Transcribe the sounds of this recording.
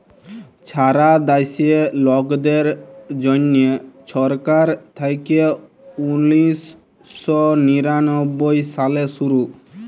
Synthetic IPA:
t͡ɕʰaɾad̪ajsielɔɡd̪eɾd͡ʑɔneʃɔɾkaɾt̪ʰajke | unisː | ɔniɾanɔbːojsalesuɾu

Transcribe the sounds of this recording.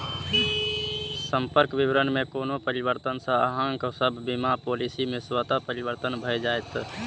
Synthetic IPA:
səmpəɾkbiʋɾənmẽkoːnopəɾibəɾt̪ənsə̃əɦə̃ŋksəbʱːimapolisimẽswət̪apəɾibəɾt̪ənbʱəjd͡ʒajt̪

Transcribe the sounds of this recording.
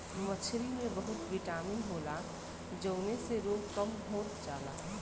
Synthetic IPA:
mət͡ʃʰɾimẽbəɦʊt̪ʋiʈaːminɦoːla | d͡ʒəʊneseɾoːdkəmɦoːɾd͡ʒaːla̰

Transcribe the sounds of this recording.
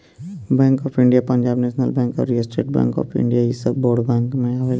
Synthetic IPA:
bɛ̃ːŋkɔːpʰɪ̃ɳɖijapɐ̃ɲd͡ʒaːbneːʃnəlbɛ̃ːŋkɔ̰ɾːiəsʈɾḛːʈbɛ̰̃ːŋkɔ̰ːpʰɪ̰̃ɳɖijaisəboːɾɖbɛ̃ːŋkmẽaʋe

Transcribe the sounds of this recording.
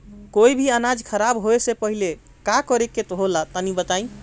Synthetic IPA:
koibʱiənad͡ʒkʰəɾabɦoesepəɦile | kakɔɾeket̪oɦolat̪anibət̪aĩ

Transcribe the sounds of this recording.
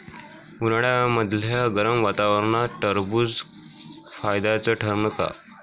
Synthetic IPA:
uɾɽjaməd̪ʱljaɡəɾəmʋat̪aʋəɾɳaʈəɾbuːd͡z | fajd̪at͡səʈʰəɾɳəka̰

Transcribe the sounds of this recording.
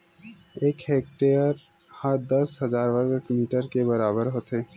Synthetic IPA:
eːkheːk̚ʈejəɾ | hãd̪əsɦəzaːɾʋəɾɡekmiːʈəɾkebəɾaːbəɾɦot̪eː

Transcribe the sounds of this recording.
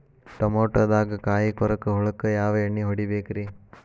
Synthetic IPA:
ʈɐmoːʈɐd̪aːɡɐkaːjikɔɾɐkːɯɦɔɭɐkːɯjaːʋɐeɳːiɦɔɽibeːkɾi

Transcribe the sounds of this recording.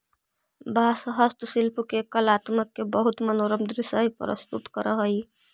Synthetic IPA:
basəɦəst̪usilpʰukekəlat̪məkːebəɦut̪mənoɾəmd̪ɾisəjpɾə̰st̪ut̪kəɾəɦəj

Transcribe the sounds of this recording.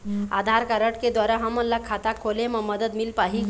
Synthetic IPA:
ad̪ʱaɾkaɾəʈked̪ʋaɾaɦamənlːakʰat̪akʰoleməməd̪əd̪milpaɦi

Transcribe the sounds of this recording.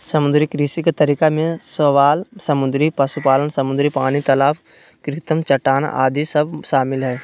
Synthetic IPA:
səmʊd̪ɾikɾiːsikt̪ɐɾikamẽsəʋaːlsəmʊd̪ɾipɐsupaːlənsɐmʊd̪ɾipaːnit̪ɐlaːpʰ | kɾɪt̪əmt͡ʃəʈaːn̰ʔa̰ːd̪isəbʃaːmɪlɦɛː

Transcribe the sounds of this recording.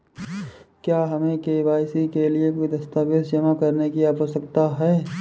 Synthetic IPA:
kjaːɦɐmẽkeːbaːɪsikeliekoid̪ɐst̪aːpɪsd͡ʒɐmãkɐɾnekiaːpəsəkt̪aɦɛː

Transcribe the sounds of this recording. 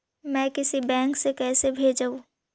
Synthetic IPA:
mɛ̃ːkɪsibɛ̃ːŋksekɛːsebʱeːd͡ʒaũ

